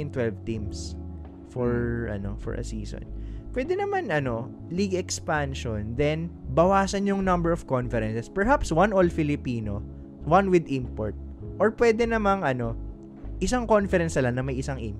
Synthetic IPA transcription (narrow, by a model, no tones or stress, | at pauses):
ɪnt̪wɛlvt̪ĩms | fɔɹʔɐ̰no̞̰fɔ̰ɹʔɐ̰siːso̰npwɛːd̪ɛnɐmanʔɐno̞ | liɡɛkspanʃond̪ɛnbɐwaːsɐnjjʊŋnɐmbɛɹɔv̥konfɛɾɛnsɛspɛɹɦapswanʔolfɪlɪpiːno | wanwɪd̪ĩmpo̰ɹt̪̚ʔɔɹpwɛːd̪ɛnɐmaŋɐno̞ | ʔɪsaŋkonfɛɾɛnsɐlaŋnɐmɐjɪsaŋʔim